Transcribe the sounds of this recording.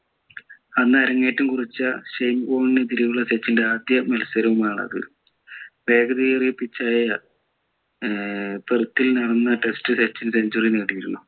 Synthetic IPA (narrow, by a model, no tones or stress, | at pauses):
ɐnːɐɾɐŋːejʈːumkurit͡ɕːɐɕejmboːninet̪̬iɾiʋuɭːɐset͡ɕːinde̞aːd̪jɐmɐlsɐɾɐʋumaːɳɐ̰ðɨ̰ | ʋe̞ːɡɐðiːjɐrijpːit͡ɕːaːjɐ | t̪erut̪ːilnɐɽɐnːɐʈe̞stɨset͡ɕːɐnseɲd͡ʑurijineɽijiɾunːu